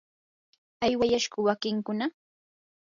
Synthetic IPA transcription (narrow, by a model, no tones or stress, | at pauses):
ajwajaʃɢʊwakɪŋkʊna